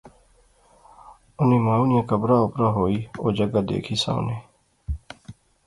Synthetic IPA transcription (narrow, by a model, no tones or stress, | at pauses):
ʊnẽːmaːnɪjãːkəbɾaːʊpɾaːɦoːiːoːd͡ʒəɡaːd̪ḛːkʰiːsã̰ːʊ̰neː